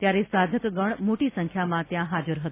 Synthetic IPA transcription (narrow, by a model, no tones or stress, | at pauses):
t̪jaɾesad̪ʱəkɡəɳmoʈisə̃ŋkʰjamãt̪jãɦad͡ʒəɾɦət̪ũ̥